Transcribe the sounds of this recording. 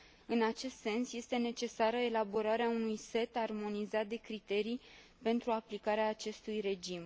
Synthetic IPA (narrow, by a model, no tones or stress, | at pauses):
ɨnat͡ʃe̞st̪se̞nsje̞st̪e̞ne̞t͡ʃe̞saɾəe̞labo̞ɾaɾeaunujse̞t̪armo̞nizat̪̚d̪e̞kɾit̪e̞ɾij | pe̞nt̪ɾuaplikaɾeaːt͡ʃe̞st̪ujre̞d͡ʒim